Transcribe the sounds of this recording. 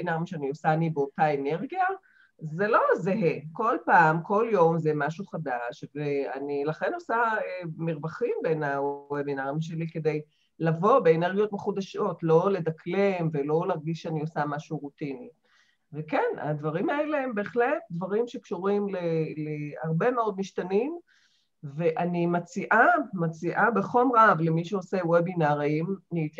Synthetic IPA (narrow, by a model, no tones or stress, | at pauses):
naʁimʃeanio̞saːnibeo̞taene̞ʁɡija | zelo̞zeɦeko̞lpaːmko̞ljo̞mzemaʃuχadaʃvea̰nilaχe̞no̞saemiʁbaχimbenaoebinaʁimʃ̬e̞like̞d̪e̞j | lavo̞beːne̞ʁɡijo̞t̪meχudaʃo̞tlo̞le̞daklemvelo̞laʁɡiʃeanio̞samaʃuʁut̪ini | vekena̰d̪vaʁimae̞leembe̞ːχlet̚d̪vaʁimʃekʃuʁimleleaʁbe̞me̞o̞d̪miʃtanim | veʔanimat͡siʔamat͡siʔabeχo̞mʁavlemiʃeosewebinaʁimnit